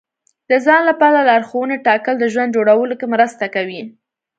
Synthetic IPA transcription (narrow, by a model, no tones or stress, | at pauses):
d̪əzɑnlapɑɾalaɾxowəneʈɑkəld̪əʒwand̪d͡ʒoɽawəlokemɾəst̪akawi